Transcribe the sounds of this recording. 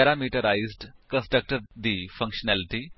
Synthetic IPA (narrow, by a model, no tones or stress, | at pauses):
ɛɾaːmiːʈəɾaːɪzɖkə̃nsʈɾək̚ʈəɾd̪iːfɐ̃ŋkʃənɛːlɪʈi